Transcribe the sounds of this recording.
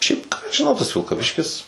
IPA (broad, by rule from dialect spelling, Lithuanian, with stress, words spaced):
ˈʃʲɛɪp kɑː ɐʃ ʒʲɪˈnɐʊ tɐs ʋʲɪlˠkɐˈʋʲɪʃʲkʲɪs